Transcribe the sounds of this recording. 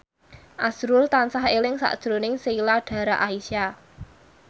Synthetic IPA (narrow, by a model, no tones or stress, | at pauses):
ʔasɾʊlt̪ansahelɪŋsa̰ʔd̥ʒ̥ɾonɪŋseilaɖ̥a̤ɾa̰ʔaisia